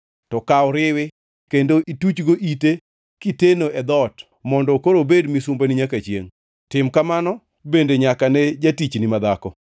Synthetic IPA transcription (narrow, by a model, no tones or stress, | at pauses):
tɔkawɾɪwɪ | kendoʔitut͡ʃɡoʔite | kitenoɛd̪ɔt | mɔndɔkoɾobedmisumbaniɲakat͡ʃjḛŋ | tɪmkamanɔ | bendeɲakanɛd͡ʒatit͡ʃnɪmad̪akɔ